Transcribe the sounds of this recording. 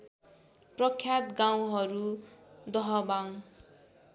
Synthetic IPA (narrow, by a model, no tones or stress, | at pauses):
prʌkʰːjat̪ɡaw̃ɦʌɾud̪ʌɦʌbaŋ